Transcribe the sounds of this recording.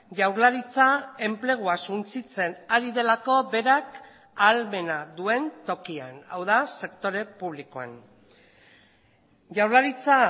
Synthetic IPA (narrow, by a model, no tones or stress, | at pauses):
ʝawɾlaɾit͡sae̞mple̞ɣ̞uasunt͡sit͡se̞naɾiðe̞lako̞be̞ɾak | alme̞naðue̞nt̪o̞kia̰na̰wðase̞kt̪o̞ɾe̞puβ̞likoa̰n | ʝawɾlaɾit͡sa